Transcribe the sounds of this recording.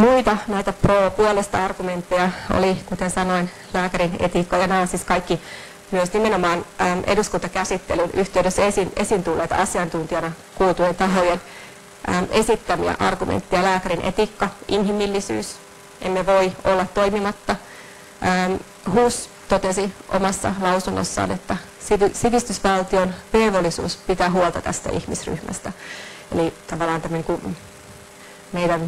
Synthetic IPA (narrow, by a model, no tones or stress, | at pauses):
muit̪ɑnæit̪æproːpuolest̪ɑɑrɡ̥ument̪ːejɑo̰likut̪ensɑnoin | læːkæɾinḛt̪ikːɑjɑnɑːsiskɑikːi | myøsnimenomɑːnːʔeduskunt̪ɑkæsit̪ːḛlynʔyht̪eydɾøsːesinʔesint̪ulːeːt̪ɑsiɑnt̪unt̪iɑnɑ | kuːt̪ujent̪ɑɦojen | ʔəʔesit̪ːæmiæ̰ʔɑ̰rɡ̥umḛnt̪ːijɑlæːkæɾinʔḛt̪ikːɑʔinɦimilːisy̰ːs | ʔemːeʋoiolːɑt̪t̪oimimɑt̪ːɑ | ʔəːm | huːs | t̪ot̪esiʔo̰mɑsːɑ̰lɑusunːo̰sːɑ̰ːnet̪ːæ | sisiʋist̪ysʋɑlt̪ionʋeːʋolːisṵːspit̪æːɦuolˠt̪ɑt̪æ̰st̪æ̰ʔḭhmisry̰hmæ̰st̪æḛlit̪ɑʋɑlˑɑːnt̪æmːøniːŋku | meidæn